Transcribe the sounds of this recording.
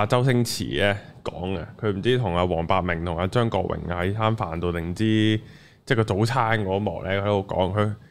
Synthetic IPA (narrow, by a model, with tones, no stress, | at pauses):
aː˧t͡sɐ˥wsɪ˥ŋt͡sʰḭː˨˩lɛː˥kɔː˨˥ŋa̰˧kʰɵ˧ɥm̩˨˩t͡siː˥t̪ʰʊ˨˩ŋaː˧wɔː˨˩ŋpaː˧t̚mɪ˨˩ŋt̪ʰʊ˨˩ŋaː˧t͡ʃœː˥ŋkɔ̰ː˧k̚wɪ̰˨˩ŋa˧hɐ˨˥jtʰaː˥nfaː˨˩nt̪o˧wt̪ɪ˨˩ŋ̩˨˩t͡siː˥ | t͡sɛː˥˩kɔː˧t͡so˨˥wt͡sʰaː˥nkɔː˨˥˧mɔ̰ː˨˩k̚lʔɛː˥kʰt̪o˥o˧˥kɔ̰ː˨˥ŋkʰɵ˨˧